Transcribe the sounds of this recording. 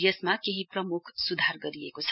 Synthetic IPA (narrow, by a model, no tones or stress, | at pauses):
jəsmakeɦipɾʌmukʰsud̪ʱaɾɡʌɾiekot͡sʰ